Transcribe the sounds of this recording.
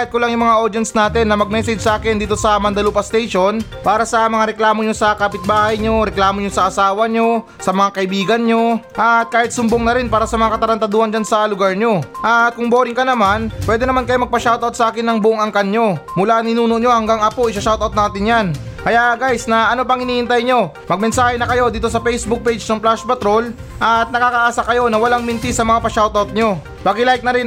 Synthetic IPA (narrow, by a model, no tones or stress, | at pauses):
ahɪt̪̚kolaŋjʊŋmɐŋaʔo̞d̪ɛnsnaːt̪ɛnːɐmɐɡ̚mɛːsɛd͡ʒsɐʔaːkɪnd̪iːt̪o̞sɐmɐnd̪ɐluːpɐst̪ɛjʃonpaːɾɐsɐmɐŋaɾɛklaːmo̞ɲo̞sɐkaːpɪt̪̚baːhɐjɲo̞ɾɛklaːmoɲo̞sɐʔɐsaːwɐɲo̞ | sɐmɐŋakɐʔɪbiːɡɐnɲo̞ʔɐt̪̚kaːhɪt̪̚sʊmboŋnɐɾɪnpaːɾɐsɐmɐŋakɐt̪ɐɾɐnt̪ɐd̪uːhɐnd͡ʒansɐlʊɡaɹɲo̞ʔakʊŋbo̞ːɾɪŋkɐnɐmanpwɛːd̪ɛnɐmankɐjomɐɡ̚pɐʃawt̪ʔɐwt̪sɐʔaːkɪnːɐŋbʊʔoŋɐŋkɐnɲo̞mʊlaʔnɪnuːno̞ʔɲo̞hɐŋɡaŋɐpo̞ʔɪsɐʃawt̪ɐwt̪̚naːt̪ɪnjan | kɐjaʔɡajsnɐʔɐno̞pɐŋhɪniːʔɪnt̪ajɲo̞ | mɐɡ̚mɛnsaːhɛnɐkɐjo̞d̪iːt̪o̞sɐpɛjsbʊk̚pejd͡ʒnɐŋplaspɐt̪ɾo̞l | ʔɐt̪̚nɐkaːkɐʔaːsakɐjo̞nɐwɐlaŋmɪnt̪ɪsɐmɐŋapɐʃawt̪ɐwt̪̚ɲo̞ | b̥aɡɪlajk̪̚nɐɾɪn